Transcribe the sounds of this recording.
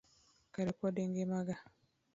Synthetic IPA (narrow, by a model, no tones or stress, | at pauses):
kaɾipɔdeŋɡemaɡa